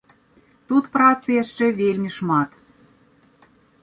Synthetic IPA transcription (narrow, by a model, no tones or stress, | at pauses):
t̪ut̪prot͡seʃːĕβelʲmʲiʃmɑt̪